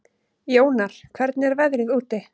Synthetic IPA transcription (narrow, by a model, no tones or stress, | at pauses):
joːwnaɾ̥kʰvɛɾt̪nɛɾvɛðɾɪðuːt̪ɪ